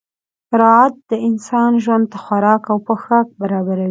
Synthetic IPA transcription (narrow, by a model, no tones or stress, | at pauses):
aɾɑat̪̚d̪əɪnsɑnʒwand̪̚t̪əxwaɾɑkawpəxak̚baɾɑbaɾawi